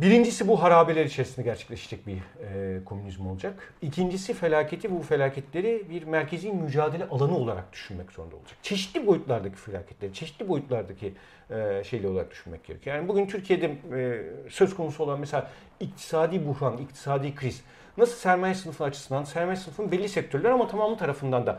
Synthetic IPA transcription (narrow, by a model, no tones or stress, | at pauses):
biɾind͡ʒisibuɦaɾaːbelʲeɾit͡ʃʰeɾisind̪ɛɟæɾt͡ʃʰɛ̥clʲeʃad͡ʒɛc̚biɛkʰo̞mynizmo̞lˠud͡ʒakicʰind͡ʒisife̞lʲaːcʰe̞t̪ʰibufe̞lʲaːcʰɛt̪lʲe̞ɾibiɾmæɾcʰeziːmyd͡ʒaːd̪eɛʔalˠanɯo̞lˠaɾa̰k̚d̪̥y̥ʃynmɛcz̥o̞ɾund̪a̰o̰lˠud͡ʒḁkt͡ʃʰe̞ʃi̥t̪lʲibo̞jut̪lˠaɾd̪acʰi̥fe̞lʲa̰ːcʰɛt̪lʲe̞ɾit͡ʃʰe̞ʃi̥t̪lʲibo̞jut̪lˠaɾd̪acʰi | ɛʃe̞jlʲɛolˠaɾak̚d̪y̥ʃynmɛ̰c̚ɟeɾecʰyojaːnibuɟynt̪ʰyɾcʰije̞d̪ɛ | søzkʰonusuo̞lˠanmɛselʲaː | ict̪ʰi̥saːd̪iːbuhɾanic̚t̪ʰi̥saːd̪iːkʰɾiz̥ | nasɯlˠsæɾmajsɯnɯfɯnat͡ʃʰɯ̥sɯnd̪ansæɾmajsɯnɯfɯnbɛlʲːisɛc̚t̪ʰøɾlʲæɾamat̪ʰamaːmlˠɯt̪ʰaɾafɯnd̪and̪a